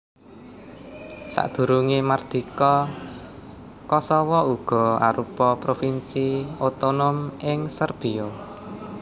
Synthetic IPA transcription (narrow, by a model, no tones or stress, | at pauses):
sa̰ʔd̪̥ṳɾuŋemard̪̥i̤kɔ | kɔsɔwɔuɡ̥ɔ̤a̰ɾupɔpɾofinsiot̪onomɪŋsərb̥i̤o